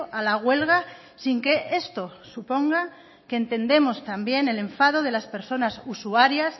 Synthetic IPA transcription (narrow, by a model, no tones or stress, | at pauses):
ʔalaɣwe̞lɣa | siŋke̞ʔe̞st̪o̞supo̞ŋɡa | keːnt̪e̞nd̪e̞mo̞st̪ambje̞ne̞le̞ɱfaðo̞ð̞e̞laspe̞ɾso̞nasusuaɾjas